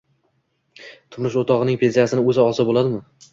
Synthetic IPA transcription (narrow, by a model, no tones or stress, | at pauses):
t̪ʰʊmɾɪʃot̪ʰɒʁɨnɪŋpʰe̞nsijasɪnɪɵzɪɒsɪbolad̪ɪmɪ